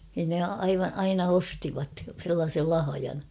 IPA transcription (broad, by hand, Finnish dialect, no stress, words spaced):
nin ne ɑiʋɑ ɑinɑ ostiʋɑt selːɑːsel lɑhɑjɑn